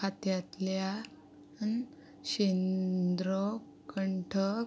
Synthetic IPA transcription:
at̪jat̪lja | n | ɕend̪ɾɔ | kəɳʈʰə

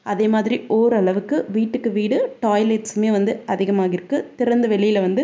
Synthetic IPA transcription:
ɐðeːmaːðɪɾiʔoːɾɯɐɭɐʋɯkːɯʋiːʈːɯkːɯʋiːɽɯʈaːjleʈsɯmeːʋɐnd̪ɯɐðɪɣɐmaːɣɐɪɾɯkːɯt̪ɪɾɐnd̪ɐʋɛɭɪjɪlɐʋɐnd̪ɯ

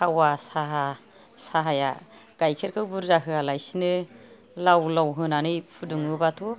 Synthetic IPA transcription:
awasaɦa | saɦaja̰ | ɡ̥ajkʰeɾkʰɯwbuɾzaɦɯalajsinɯ | lawlawɦɯnanɯjpʰudɯŋɯbatʰu

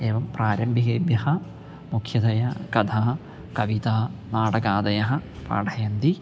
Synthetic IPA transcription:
eːʋɐmpraːɾɐmbʱiɡeːbjɐhɐ | mukʰjɐd̪ɐjɐkɐd̪ʰaː | kɐʋit̪aːnaːɽɐɡaːd̪ɐjɐɦɐ̆pa̰ːɖʰʱɐjɐnd̪i

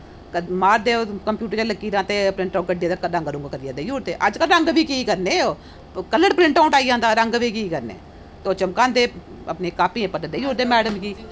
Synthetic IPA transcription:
kəmaːɾd̪eːokəmpjuːʈəɾd͡ʒaːləkːiːd̪ãːt̪eːpɾɪ̃ɳʈaːɡəɖijãːd̪akəɾə̃ŋɡɾũːŋɡkəɾjãːd̪eːjuːɾd̪eːʔəd͡ʒkəlɾəŋɡbʱiːkiːkəɾneoː | kələɽpɾɪ̃ɳʈaːʊɳʈaːijãːnd̪aːɾəŋɡbʱiːkiːkəɾnḛː | t̪oːt͡ʃəmkãːnd̪eː | ə̰pneːkaːpiẽːpəd̪əd̪eːjoːɾd̪eːmɛːɖəmkiː

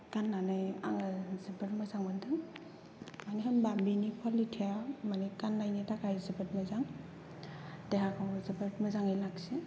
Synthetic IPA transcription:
kanːanɯja̰ŋɯzibeɾmazaŋmɯndɯŋ | maniɦambambinikʰwalitʰijamanikanːajnitakajzibetmazaŋ | deɦakʰawzibetmɯzaŋilaksi

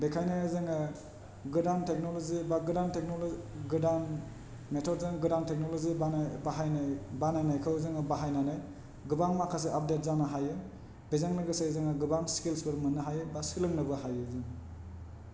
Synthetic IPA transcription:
bekʰajnajazɯŋa | ɡɯdantʰek̚nolozibaɡɯdantek̚nolɡɯdan | metʰɔdzaŋɐɡɯdantʰek̚noloziabaɦajabanajnajkʰawzɯŋabaɦajnanaj | ɡɯbaŋmakʰːas̬eap̚det̚zanaɦajɯ | b̥ezaŋnɯɡɯsajzɯŋɐɡɯbaŋskilsbɯɾmɯnɯɦajɯbaskilɯŋnɯbɐɦajɯzɯŋ

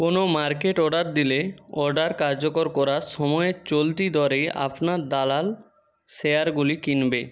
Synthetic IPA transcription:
konomaɾkeʈɔɖaɾ̚d̪ileɔɾɖaɾkaɾd͡ʑokoɾkɔɾaʃɔmɔet͡ɕolt̪id̪ʱɔɾejʔa̰pnaɾd̪alal | sejaɾɡulikinbe

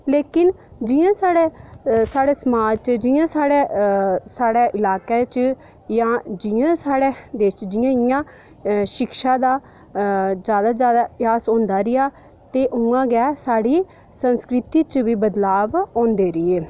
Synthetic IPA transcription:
leːkɪn | d͡ʒɪːãːsaːɽeːsaːɽeːsəmaːt͡ʃd͡ʒɪːãːsaːɽeːsaːɽeːʔɪlaːkeːt͡ʃ | jãːd͡ʒɪãːsaːɽeːd̪eːʃd͡ʒɪjãːɪjãː | ʃɪkʃaːd̪aː | d͡ʒjaːd̪aːzjaːd̪aːɪjaːsõːnd̪aːɾɪjaː | t̪eːʔũːãːɡɛːsaːɽiː | sənskɾɪt̪iːt͡ʃʋiːbəd̪laːʋõːnd̪eːɾɪeː

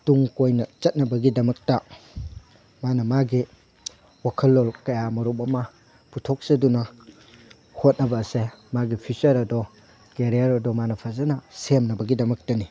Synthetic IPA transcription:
tuŋkojnɐt͡ʃɐt̚nɐbɐɡidɐmɐk̚tɐ | manɐmaɡi | wakʰɐlːolkɐjamɐɾumɐmɐ | putʰok̚sɐdunɐ | hot̚nɐbɐsemaɡipʰit͡ʃɐɾɐdɔ | keɾijɐɾɐdɔmanɐpʰɐzɐnɐsemnɐbɐɡidɐmɐk̚tɐni

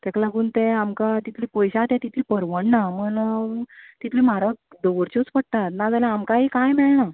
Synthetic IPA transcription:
t̪ɛklaɡuːnt̪eamkat̪it̪ʰliːpɔjɕat̪jãt̪it̪ʰliːpəɾʋəɳnamən | t̪it̪ʰliːmaɾa | d̪ɔʋəɾt͡ɕot͡spəɽ̚t̪at̪nad͡zaljãamkaikajmeɭɳa

